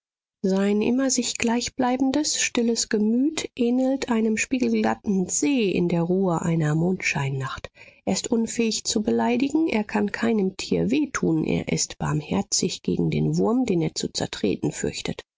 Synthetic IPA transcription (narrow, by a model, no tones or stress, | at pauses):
zaɪnʔɪ̰mɐzɪçɡ̥laɪçb̥laɪbn̩dəsʃtɪləsɡ̥əmyːtʰʔeːnl̩tʔaɪnəmʃpiːɡl̩ɡatn̩z̥eːʔɪ̰ndeːɐʁuːəʔa̰ɪnɐmoːntʃaɪnːaχtʔeːɐɪstʔʊnfɛːɪçt͡subəlaɪdɪɡŋ̩ʔḛːɐkʰankʰaɪnəmtʰiːɐveːtʰuːnʔḛːɐʔɪ̰stb̥a̰ɐmhɛɐt͡sɪçɡ̥ḛːɡŋ̩dḛːnvʊɐmdeːneːɐt͡sut͡sɛ̰ɐtʁ̥ḛːtn̩fʏ̰ɐçtət